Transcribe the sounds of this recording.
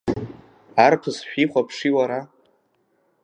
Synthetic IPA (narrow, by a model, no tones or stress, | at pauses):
arpʰɨzʃᶣiχʷapʰʂiwaɾa